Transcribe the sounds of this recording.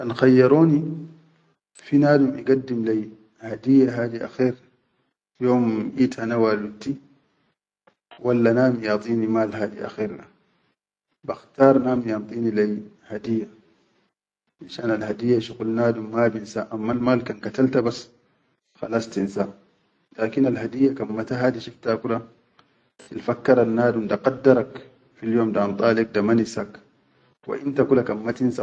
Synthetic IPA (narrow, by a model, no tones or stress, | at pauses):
kanxajːɑɾˤoːni | finaːd̪umʔiɡad̪ːimlaj | had̪ijːaɦaːd̪iʔa̰xeːɾ | joːmʔiːt̪hanawalwut̪ːi | walːanaːmjɑt̪ˤiːnimaːlɦaːd̪ḭʔa̰xeːɾna | baxt̪ɑːɾˤnaːmjɑnt̪ˤiːnilaj | had̪ijːa | ʔinʃaːnalhad̪ijːaʃuqulnaːd̪umːabinsa̰ːʔamːalmaːlkankat̪alt̪abas | xɑ̰lɑsˤt̪insaːʔ | laːkinalɦad̪ijːakamːat̪aɦaːd̪iʃift̪akuda | t̪ilfakːɑɾˤanːaːdumd̪aqɑdːɑɾˤɑk | filjoːmdaʔɑnt̪ˤɑːlik̚damanisak | wa̰ʔint̪akulakanmmat̪insa